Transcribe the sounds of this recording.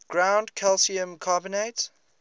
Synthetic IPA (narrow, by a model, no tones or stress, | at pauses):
ɡ̥ɹãʊ̃ndkʰɛlsiə̃mkʰabɪneɪt